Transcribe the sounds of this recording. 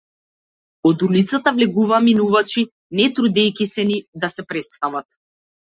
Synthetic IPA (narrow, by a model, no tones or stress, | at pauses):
ɔd̪ulit̪sat̪avlɛɡuvaminuvat͡ʃi | nɛt̪ɾud̪ɛjkʲisɛnid̪asɛpɾɛt̪st̪avat̪